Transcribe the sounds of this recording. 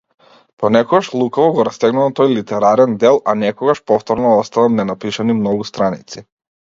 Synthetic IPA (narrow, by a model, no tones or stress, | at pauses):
pɔnɛkɔɡaʃlˠukavɔɡɔɾast̪ɛɡnuvat̪ɔjlit̪ɛɾaɾɛnd̪ɛlˠanɛkɔɡaʃpɔft̪ɔɾnɔɔst̪anamnɛnapiʃanimnɔɡust̪ɾanḭt̪si